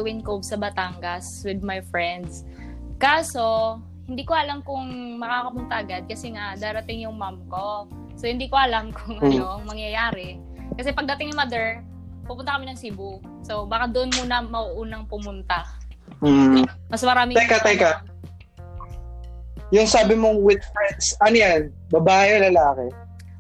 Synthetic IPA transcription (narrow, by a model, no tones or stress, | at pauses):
wɪnkobsɐbɐt̪aŋɡɐs | wɪd̪̚majfɹɛnd̪s | kaːso̞ | hɪnd̪iːkoʔɐlamkʊŋmɐkakɐpʊnt̪aʔɐɡad̪̚kɐsɛŋaʔd̪aːɾɐt̪ɪŋjʊŋmamko̞ | sohɪnd̪iːkoʔɐlamkʰʊŋɐjoŋmɐŋjɐjaːɾɛ | kɐsɛpɐɡ̚d̪ɐt̪ɪŋnɪmad̪ɛɹ | pupʊnɐkɐmɪnɐŋsiːbu | so̞baːkad̪oʔonmunɐmɐʔuʔuːnɐŋpʊmʊnt̪a | m̩ː | mɐsmɐɾaːmɪt̪ɐjkat̪ɐjka | jʊŋsaːbɪmoŋwɪd̪̚fɹɛnd̪sʔɐnojan | bɐbaːɪlɐlaːkɛ